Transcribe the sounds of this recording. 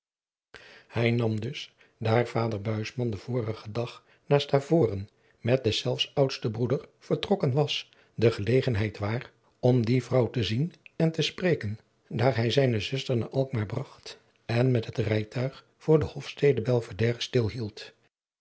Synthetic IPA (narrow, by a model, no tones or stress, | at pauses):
hɛjnɑmdɵs | daːɹv̥aːdəɹbœɥsmɑndəv̥ʊːrəχədɑχ | naːstaːv̥ʊːrən | mɛt̚dɛsɛlˠfsʌwtstəbrudəɹv̥əɹtrɔkənʋɑs | dəχəlejχənɦɛjtʋaːr | ɔmdivrʌwtəzinɛntəsprejkən | daːɹɦɛjzɛjnəzʏstəɹna̰ːʔɑlˠk̚maːɹbrɑχt | ɛnmɛtɦətrɛjtʰœɥχ | fʊːɹdəhɔfstejdəbɛlˠvədɛːrəstɪlˠɦilˠt